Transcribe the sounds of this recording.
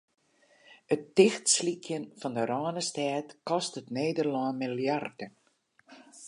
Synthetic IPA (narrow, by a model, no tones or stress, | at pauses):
ətːɪxtslikʰjənfɔndəɾɑːnəstɛːtkɔstətneːdərlɔːnmiljardə